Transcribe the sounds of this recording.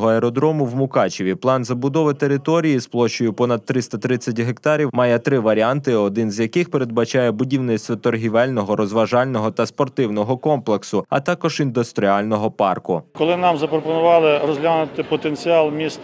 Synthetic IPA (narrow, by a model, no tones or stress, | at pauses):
ɦɔɛɾɔd̪ɾɔmʊwmʊkɑt͡ʃɪʋʲiplˠɑnzɐbʊd̪ɔʋɪt̪eɾɪt̪ɔɾʲijisplˠɔʃt͡ʃːɔjʊpɔnɐd̪̚t̪ːɾɪst̪ɐt̪ɾɪt͡sʲːɐtʲɦekt̪ɑɾʲiwmɑjɛt̪ɾɪʋɐɾʲiant̪ɪɔd̪ɪnzʲjɐkɪxpeɾe̞d̪̚bɐt͡ʃɑjɛbʊdʲiwnɪsʲt̪ʋɔt̪ɔrɦʲiʋɛlʲnɔɦɔɾʔɔzʋɐʒɑlʲnɔɦɔt̪ɐspɔrt̪ɪwnɔɦɔkɔmplˠeksʊɐ̰t̪ɑkɔʒind̪ʊst̪ɾʲiɑlʲnɔɦɔpɑ̰rkʊkɔlˠɪnɑmzɐpɾɔpɔnʊʋɑlˠɪrɔzʲɦlʲanʊt̪ɪpɔt̪enʲt͡sʲiɑlˠmʲist̪